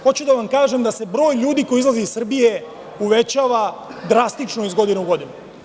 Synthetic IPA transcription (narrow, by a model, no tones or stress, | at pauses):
xo̞t͡ɕud̪aʋamkaːʒe̞md̪ase̞bɾo̞ːjʎuːd̪iko̞jiizlˠaziisr̩bije̞ | uʋe̞t͡ɕaːʋad̪ɾast̪it͡ʂnoizɡo̞d̪ineuɡo̞d̪inu